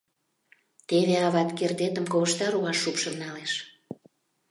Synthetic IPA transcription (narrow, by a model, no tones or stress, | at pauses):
t̪eβeɑβɑt̪kerd̪et̪əmkoβəʃt̪ɑɾuβɑʃːupʃə̆mnɑleʃ